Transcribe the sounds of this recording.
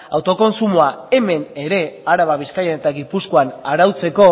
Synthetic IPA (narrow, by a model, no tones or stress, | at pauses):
awt̪o̞ko̞nsumoae̞me̞ne̞ɾe̞aɾaβaβiskajane̞t̪aɣipuskoanaɾawt͡se̞ko̞